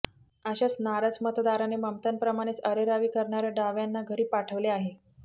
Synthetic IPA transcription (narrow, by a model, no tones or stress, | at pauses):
əɕat͡snaɾəd͡zmət̪d̪aɾaneməmt̪ənpɾəmaɽ̃et͡səɾeɾaʋiːkəɾɳaɾjaɖaʋjanːaɡʱəɾiːpaʈʰəʋleaɦe